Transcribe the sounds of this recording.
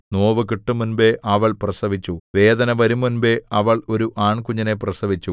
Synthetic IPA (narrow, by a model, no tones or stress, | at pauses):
noːʋɨkiʈːɨmunbe̞ʔʔɐʋɐɭprɐsɐʋit͡ɕːuʋe̞ːd̪ɐnɐʋɐɾumːunbe̞ɐʋɐɭo̞ɾuʔaːɳkuɲːɐneprɐsɐʋit͡ɕːu